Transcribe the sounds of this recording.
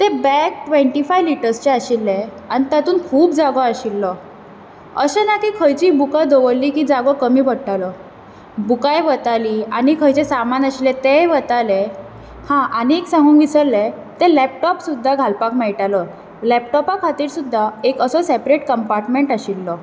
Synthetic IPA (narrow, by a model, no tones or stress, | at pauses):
t̪ebɛk̚ʈʋeɳʈifajʋliʈəɾst͡ɕeaɕilːe | aɽ̃nit̪at̪uːnkʰuːpd͡zaɡɔaɕilːɔ | əɕenakiːkʰəjt͡ɕiːbukad̪oʋəlːiːkid͡zaɡɔkəmiːbəɽʈalə | bukajʋət̪aliañikʰəjt͡ɕesamanaɕilet̪eʋət̪ale | hãʔañiːksãŋɡʱũːŋkʋisəɾle | t̪ẽlɛp̚ʈɔpsud̪ʱːaɡʱalpakmɛɭʈalə | lɛp̚ʈɔpakʰat̪iːɾsud̪ʱːaekəsɔsepɾeʈkəmpaɾʈmeɳʈaɕilːɔ